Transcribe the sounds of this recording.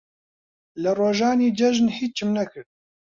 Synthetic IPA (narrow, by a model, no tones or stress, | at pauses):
lɨroːʒɑːniːd͡ʒɛʒnhiːt͡ʃ̚t͡ʃʰɨmnɛkʰɨɾ̚